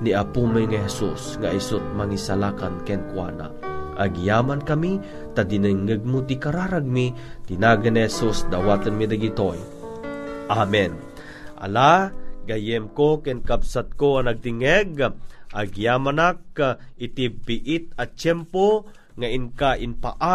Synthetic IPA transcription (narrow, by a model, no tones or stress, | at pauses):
niapuməŋihɛsusŋaʔisʊt̪̚maŋisalakankɛnkwa̰na̰ʔaɡjaːmankami | t̪ad̪ɪnɨŋːəɡ̚mʊd̪ikaɾaɾaɡ̚mit̪ɪnaɡanihɛsusd̪awaːt̪ɨnmid̪aɡit̪oj | ʔamɛn | ʔa̰laɡajɛmkokɛnkabsat̪̚koanaɡ̚t̪iŋɛɡʔaɡjaːmanak̚ɪt̪ibiʔɪt̪̚ɐt͡ʃɛmpo | ŋaʔɪŋkaʔɪnpaʔa